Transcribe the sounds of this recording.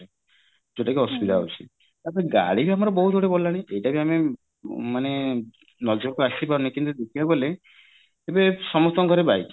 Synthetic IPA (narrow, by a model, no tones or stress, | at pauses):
d͡ʒeʈakiɦɔsubid̪aɦo̰t͡ʃʰḭ | t̪apɔeɡa̰ɽibiamɔɾɔbɔɦud̪ʱoɽebɔlːaɽ̃ĩʔejʈabiame | mane | nɔd͡ʒɔkuasipaɾunikint̪ud̪ekʰilabole | ebesɔmɔt̪ɔŋkɔɾebajt